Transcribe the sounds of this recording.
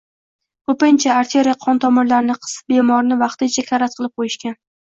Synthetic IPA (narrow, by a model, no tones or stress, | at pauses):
kɵpɪnt͡ʃʰaːɾt̪ʰeɾijaqʰɒnt̪ʰɒmɪɾlaɾnɪqʰɨ̥sbe̞mɒɾnɪvɑqt̪ɪnt͡ʃʰakʲʰaɾat̪̚qʰɨlˠɪp̚qʰojɪʃkʲan